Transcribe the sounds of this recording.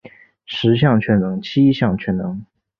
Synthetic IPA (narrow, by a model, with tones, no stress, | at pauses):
ʂɻ̩˧˥ɕ̬jɑ˥˩ŋt͡ɕʰɥɛ˥nnɤ˧˥ŋt͡ɕʰi˥ɕjɑ˥˩ŋt͡ɕʰɥɛ˧˥nnɤ˧˥ŋ